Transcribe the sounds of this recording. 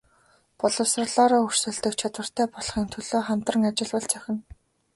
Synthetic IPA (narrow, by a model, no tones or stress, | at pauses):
pɔɮɞ̆wsrə̆rɮɔːɾɔːɵr̥sɘ̆ːɬt̪ɘ̆k̚t͡ɕʰat̪wə̆r̥t̪ʰæːpɔɮχiːŋt̪ʰɵɮoːχam̥t̪rə̆ŋat͡ɕɪ̆ɮwə̆ɮt͡sæxʲɪ̆n